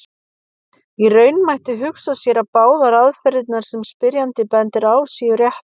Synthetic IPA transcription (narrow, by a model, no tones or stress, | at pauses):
irœːɥnmajht̪ɪɦʏksasjɛɾapaːwðaɾaðfɛɾɪt̪naɾ̥sɛmspɪɾjant̪ɪpɛnt̪ɪɾaːwsiːjʏɾjɛht̪